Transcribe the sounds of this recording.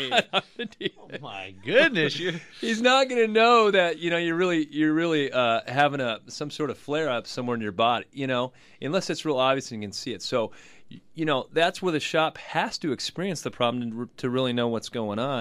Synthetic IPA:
ɨdʉmaɪɡʊdⁿnɨsɨhiznət̚ɡ̥ʌnɨnoʊðɨt̚jɨñoʊjə˞ɹɪlˠijə˞ɹɪlˠiʌɦævɪ̃ŋəsʌ̃msɔɹɾʌv̥flɛɹʌpsʌ̃mwɛɹɨ̃njə˞bɑɾjɨñoʊ | ʔɨ̃nlɛsɨtsɹɪlˠɑbviɨsliɨkɨ̃n̩siɨtsoʊ | jɨnoʊðætswə˞ðɨʃɑphæstɨɨkspɪɹiɨ̃nsðɨpʰɹ̥ɑblm̩ɨtʰɨɹɪlˠinoʊwʌtsɡ̥oʊɪ̃ŋə̃n

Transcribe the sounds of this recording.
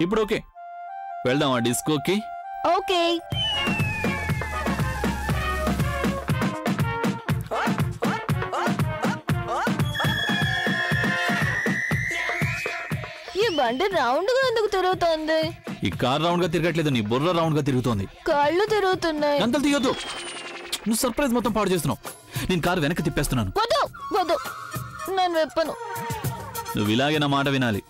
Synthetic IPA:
ipːuɽoːkeː | ʋɛɭd̪aːmaːɖiskoki | oːkeː | iːbɐɳɖiɾɐwɳɖɡaːend̪ukut̪iɾuɡut̪oːnd̪iḭːkaːɾːɐwɳɖɡaːt̪̬iɾɪɡɐʈ̬leːd̪uniːburːɐɾɐwɳɖɡaːt̪iɾuɡut̪oːnd̪ikaːɾːut̪iɾuɡut̪unːaːjkɐnt̪ɐlt̪ijːod̪u | nuʋːsɐɾpɾɐjzmɔt̪ːɐmpaːʈut͡ʃeːst̪unaːw | neːnukaːɾʋɛnɐkːɐt̪̬ipːeːst̪unːaːnuʋɔd̪obɔd̪oː | nenuʋɛpːɐnu | nṵʋːilaːɡeːnaːmaːʈɐʋinaːlḭ

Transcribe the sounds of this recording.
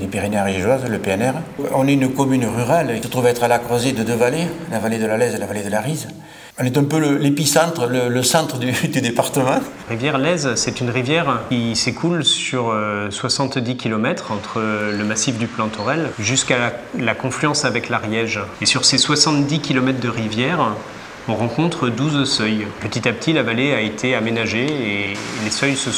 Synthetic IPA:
lepiʁenaʁjɛʒwazləpeɛnɛʁɔ̃nɛynəkɔmynʁyʁalesət̪χuvɛt̪χalakχwazed̪əd̪øvalelavaled̪əlalɛzlavaled̪əlaʁiz | ɔ̃nɛt̪ɛ̃pøləlepisɑ̃t̪χələləsɑ̃t̪χəd̪yd̪yd̪epaʁt̪əmɑ̃ | ʁivjɛʁlɛzsɛt̪ynʁivjɛʁkʲisekulsyʁøswasɑ̃t̪d̪ikʲʰilɔmɛt̪χɑ̃t̪χələmasifd̪yplɑ̃t̪ʰɔʁɛlʒyskalakɔ̃flyɑ̃savɛklaʁjɛʒesyʁseswasɑ̃t̪d̪ikʲilɔmɛt̪χd̪əʁivjɛʁ | ɔ̃ʁɑ̃kɔ̃t̪χəd̪uzsœjpət̪it̪apət̪ʰilavaleaet̪ʰeamenaʒeelesœjsə

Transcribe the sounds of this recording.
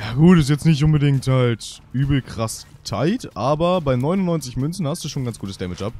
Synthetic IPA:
jaːɡuːtɪstjɛt͡stnɪçtʔʊnbədɪŋkthaltʔyːbl̩kʁ̥astʰaɪtʔaːbɐbaɪnɔʏnʊnːɔʏnt͡sɪçmʏnsn̩hastd̥uːʃoːnɡant͡sɡ̥uːtəsd̥ɛmɪt͡ʃʔap̚

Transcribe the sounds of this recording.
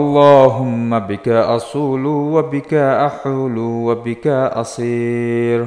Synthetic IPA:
ɑlˤːaːɦʊmːabɪkaʔɑsˤuːlʊwabɪkaʔaħulʊwabɪkaʔɑ̰sˤiːɾ

